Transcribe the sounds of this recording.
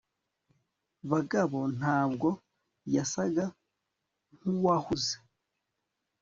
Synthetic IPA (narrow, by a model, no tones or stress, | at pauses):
βaɡaβo̞n̥haːbɡo̞ | jasaɡa | ŋ̥uwahuze̥